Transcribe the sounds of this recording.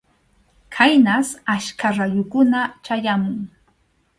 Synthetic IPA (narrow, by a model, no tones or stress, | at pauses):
kʰajnasaʃkʰaɾajʊkʊnat͡ʃajamʊŋ